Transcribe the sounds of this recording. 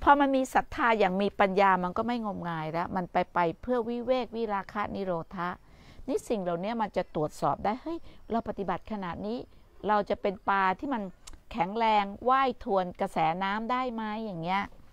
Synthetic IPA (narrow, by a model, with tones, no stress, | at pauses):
pʰɔː˧ma˧nmiː˧sa˨˩˦t̪ʰːaː˧jaː˨˩ŋmiː˧pa˧njaː˧ma˧nkɔː˥˩ma˥˩jŋo˧mŋaː˧jlɛ˦˥ma˧npa˧jpa˧jpʰɯ˥˩əwi˦˥weː˥˩k̚wi˦˥˩ɾaː˧kʰa˦˧˥ni˦˥ɾoː˧t̪ʰa˦˥ʔ | ni˦˥si˨˩ŋla˨˩wni˦˥ɐma˧nt͡ɕa˨˩t̪ɾu˨˩ət̪̚sɔ̰ː˨˩p̚daː˥˩jhɤ˦˥˩jɾa˧wpa˨˩t̪i˨˩ba˨˩t̪̚kʰa˧na˨˩ʔ̪̚niː˦˥ | ɾa˧wt͡ɕa˨˩pe˧npaː˧t̪ʰiː˥˩ma˧nkʰɛ˩˦ŋɾɛː˧ŋwaː˥˩jt̪ʰu˧ənka˧sɛː˩˦naː˦˥mdaː˥˩jma˦˥jːaː˨˩ŋːi˦˥ɐʔ